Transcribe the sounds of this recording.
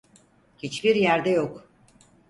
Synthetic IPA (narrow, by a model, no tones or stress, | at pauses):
hit͡ʃbiɾjæɾd̪ɛjok